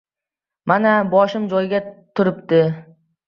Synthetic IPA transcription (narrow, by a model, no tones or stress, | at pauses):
manabɒʃɪmd͡ʒɒjɡʲat̪ʰʊɾɪp̚t̪ɪ